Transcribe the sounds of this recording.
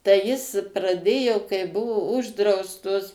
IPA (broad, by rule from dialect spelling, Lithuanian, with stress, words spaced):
tɐɪ jɪs prɐˈdʲeːjoː kɐɪ ˈbʊʋoː ˈʊʒdrɐʊstoːs